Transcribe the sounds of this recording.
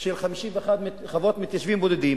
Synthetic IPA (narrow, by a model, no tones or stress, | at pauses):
ʃelχamiʃiveeχad̪m | χavot̪mit̪jaʃvimbod̪ed̪im